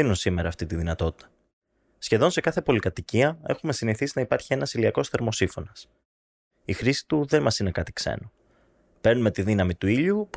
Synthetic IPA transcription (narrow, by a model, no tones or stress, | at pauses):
inunsime̞ɾɐːft̪it̪iðinɐt̪o̞t̪i̥t̪ɐ̥ | sçe̞ðo̞nse̞kɐθe̞po̞likɐt̪iciɐe̞̰xume̞siniθisinɐipɐɾçie̞nɐsiliɐko̞sθe̞ɾmo̞sifo̞nɐs | ixɾisi̥t̪uðe̞mɐsine̞kɐt̪i̥kse̞̰no | pe̞ɾnume̞t̪iðinɐmit̪uiʎup